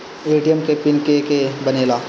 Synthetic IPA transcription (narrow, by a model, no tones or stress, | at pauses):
eːʈijemkepɪnkekebɐneːlaː